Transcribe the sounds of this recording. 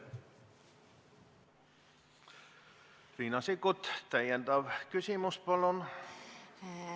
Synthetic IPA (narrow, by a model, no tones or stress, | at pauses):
riːnɑsikut̪t̪æjænt̪ɑʋkysimuspɑlon